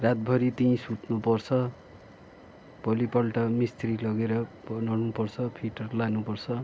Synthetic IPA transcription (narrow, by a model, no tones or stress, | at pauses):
rat̪̚bʱʌɾit̪ĩsut̪nupʌrt͡sʰʌ | pʌlipʌlʈʌmist̪rilʌɡeɾʌ | nʌrnupʌrt͡sʰʌpʰiʈʌrlanupʌrt͡sʰʌ